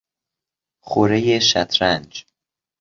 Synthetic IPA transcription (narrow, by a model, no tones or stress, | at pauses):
χoɾejeʃæ̰t̪ʰɾænd͡ʒ